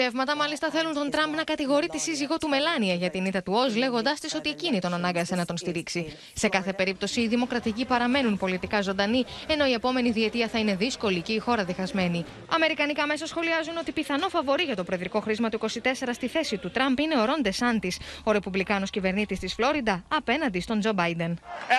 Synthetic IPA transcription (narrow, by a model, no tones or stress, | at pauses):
e̞vmɐt̪ɐmɐlist̪ɐθe̞lunt̪o̞nt̪ɾɐmpnɐkɐt̪iɣo̞ɾit̪isiziɣo̞t̪ume̞lɐniɐʝɐt̪init̪ɐt̪uo̞zle̞ɣo̞nd̪ɐst̪iso̞t̪ie̞cinit̪o̞nɐnɐŋɡɐse̞nɐt̪o̞nst̪iɾiksi | se̞kɐθe̞pe̞ɾip̚t̪o̞siːðimo̞kɾɐt̪icipɐɾɐme̞nunpo̞lit̪ikɐzo̞nd̪ɐnie̞no̞ie̞po̞me̞niðie̞t̪iɐθɐine̞ðisko̞liceixo̞ɾɐðixɐzme̞ni | ɐme̞ɾikɐnikɐme̞sɐsxo̞liɐzuno̞t̪ipiθɐno̞fɐvo̞ɾiʝɐt̪o̞pɾoiðɾiko̞xɾizmɐt̪uiko̞sit̪e̞se̞ɾɐst̪iθe̞sit̪ut̪ɾɐmpine̞o̞ɾo̞nd̪esɐnt̪iso̞ɾe̞publikɐno̞scive̞ɾnit̪ist̪isflo̞ɾid̪ɐːpe̞nɐnd̪ist̪o̞nd͡ʒo̞bɐjd̪e̞n